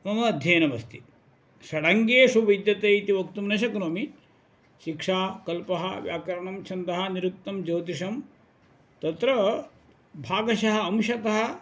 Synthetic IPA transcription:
mɐmɐd̪ʱjɐːnɐʋɐst̪ʰi | ʃɐɽɐŋɡeːʃuʋid̪jɐt̪eːit̪iʋɐkt̪umnɐʃɐknoːmi | ʃikʂaːkɐlpɐɦɐʋjaːkɐɾɐɳɐmt͡ʃʰɐnd̪ɐɦɐniɾuk̚t̪ɐmd͡ʒoːt̪iʂɐm | t̪ɐt̪ɾɐ | bʱaːɡɐʃɐɦɐ̆ɐmʃɐt̪ɐɦɐ̆

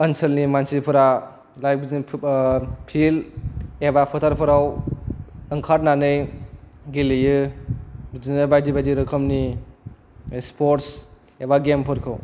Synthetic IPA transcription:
ənsɯlnimansipʰɯɾa | lajbni | pʰilebapʰɯtʰaɾpʰɯɾaw | ɯŋkʰaɾ̚nanɯj | ɡilijɯ | bd͡ʒnɯbajdibajdiɾɯkʰɔmni | spʰoɾts | ebaɡempʰɯɾkʰɯw

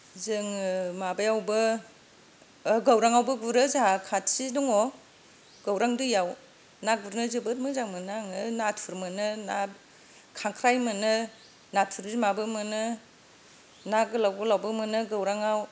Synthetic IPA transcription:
zɯŋmabajawbɯ | ɡawɾaŋawbɯɡuɾɯzakʰatsidɔŋɔ | ɡ̥awɾaŋdujaw | naɡuɾnɯzɯbɯt̚mɯzaŋmɯnaŋɯnatʰuɾmɯnɯna | kʰaŋkʰɾajmɯnɯ | natʰuɾizimabɯmɯnɯ | naɡɯlawɡɯlawbɯmɯnɯɡawɾaŋaw

